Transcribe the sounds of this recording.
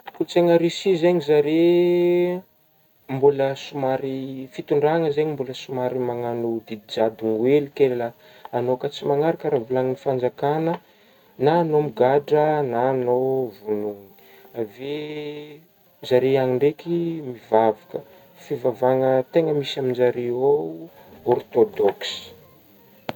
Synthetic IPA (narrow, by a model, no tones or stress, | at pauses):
kut͡seŋəɾisizeɲizaɾe | mbuləsumaɾifit̪uɳɖ͡ʐaŋəzeɲimbuləsumaɾimaŋanud̪id̪id͡ʒad̪uŋwelikella | anokat͡simaŋaɾakaɾavulaŋinifand͡zakanə | naːnomiɡaɖ͡ʐənaːnovunuŋi | ave | d͡ʒaɾeaŋiɳɖ͡ʐekimivavakə | fivavaŋət̪eŋəmisamind͡ʒaɾeo | ɔrt̪od̪ɔksi̥